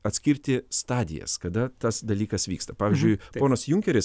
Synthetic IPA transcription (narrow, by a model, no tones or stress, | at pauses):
ɐt̪ʲsʲkʲɪɾʲt̪ʲɪst̪ɑːd̪ʲɪ̰jɛ̰skɐd̪ɐt̪ɐsd̪ɐlʲiːkɐsʋʲiːkst̪ɐpɑːʋʲɪzʲd͡ʒʲʊɪpoːnɐsjʊŋʲkʲɛɾʲɪs